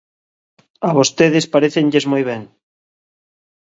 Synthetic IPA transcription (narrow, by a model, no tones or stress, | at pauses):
aβost̪eðespaɾeθenʎezmojβ̞eŋ